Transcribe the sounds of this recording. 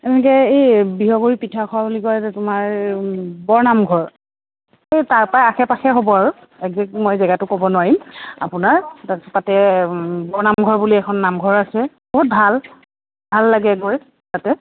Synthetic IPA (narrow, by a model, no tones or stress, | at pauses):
ɛnɛk̬ɛejbiɦɔɡuɹipitʰakʰɔwabulikɔjzɛtʊmaɹ | bɔɹnamɡʱɔɹ | ejtaɹpajaxʰɛpaxɛɦobɔaɹʊ | ɛk̚zik̚mɔjzɛɡatʊkobɔnʊwaɹima̰pʊnaɹatatɛbɔɹnamɡʱɔɹbuliɛkʰɔnːamɡʱɔɹasɛ | boɦut̚bʱal | bʱalːaɡɛɡoj | tatɛ